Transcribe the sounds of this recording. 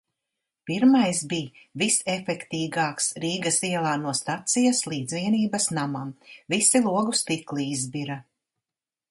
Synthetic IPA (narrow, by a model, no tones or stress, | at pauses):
piɾmajsbiː | visefɛkt̪iːɡaːksɾiːɡɐsiɛlˠaːnuɔst̪at̪sijaslˠiːd̪zviɛniːbɐsnamamvisilˠuɔɡust̪iklˠiizbiɾa